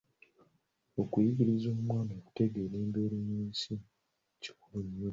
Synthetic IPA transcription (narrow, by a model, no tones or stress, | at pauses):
okujiɡiɾizoːmwaːnoːku̥te̞ɡeːɾeːmbeːɾuɲuːsi | ci̥kuɾuɲːu